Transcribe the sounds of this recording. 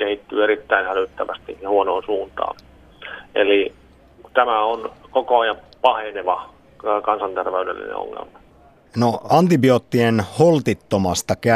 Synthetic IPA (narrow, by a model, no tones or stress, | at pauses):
kehit̪ːyːeɾit̪ːæinhælyt̪ːæʋæst̪ḭjɑhuonoːnsuːnt̪ɑ̰ːn | ʔeli | t̪æmæonkokoɑjɑ | pɑheneʋɑ | kɑnsɑnt̪erʋeydḛlːḭnḛo̰ŋːḛlmɑ | noɑnt̪ibioːt̪ːienholt̪it̪ːomɑst̪ɑkæ